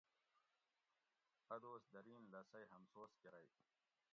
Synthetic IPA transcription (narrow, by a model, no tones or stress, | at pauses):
ɐd̪oːsd̪ɐɾiːnlɐsɐjɦɐmsoːskeɾɐj